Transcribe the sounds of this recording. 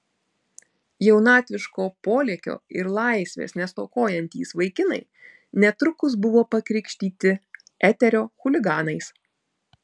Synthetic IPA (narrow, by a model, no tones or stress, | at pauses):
jɛʊnɑːt̪ʲʋʲɪʃkoːpoːlʲiːkʲo̰ːɪɾlˠɑˑɪsʲʋʲḛːsnʲɛst̪oːkoːjɛnʲt̪ʲiːsʋɐɪkʲɪnɐ̰ɪ | nʲɛt̪ɾʊkʊs̬bʊʋoːpɐkɾʲɪkʃʲt̪ʲiːt̪ʲɪ | ʔɛt̪ʲɛɾʲoːxʊlʲɪɡɑːnɐɪs